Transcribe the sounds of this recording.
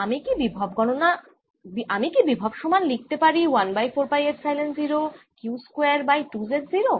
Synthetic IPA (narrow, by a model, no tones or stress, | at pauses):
amikibibʱɔbɡɔnona | biamikibibʱɔbʃɔmanlik̚t̪epaɾiwanbajfoɾpajeɾsajlensziɾokjuskweaɾbajʈud͡ʑeʈziɾo